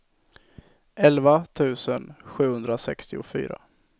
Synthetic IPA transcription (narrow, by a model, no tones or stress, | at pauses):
ʔɛlvat̪ʰʉ̟ːsənɧʉ̟ːhɵnd̪ɾasɛkst̪ɪʊfy̰ːɾa̰